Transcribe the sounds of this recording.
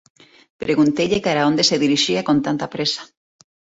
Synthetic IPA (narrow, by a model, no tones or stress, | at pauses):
pɾeɣunt̪ejʎekaɾaond̪eseðiɾiʃiakont̪ant̪apɾesḁ